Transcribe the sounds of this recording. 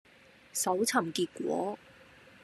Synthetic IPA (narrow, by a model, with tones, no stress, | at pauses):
sɐ˨˥wt͡sʰɐ˨˩mkiː˧t̚kʷwɔ̰ː˨˥